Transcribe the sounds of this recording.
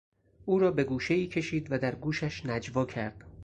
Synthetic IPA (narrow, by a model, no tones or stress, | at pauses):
ʔuːɾɒːbe̞ɡuːʃeiːcʰe̞ʃiːd̪væd̪æɾɡuːʃæʃnæd͡ʒvɒːcʰæɾd̪̥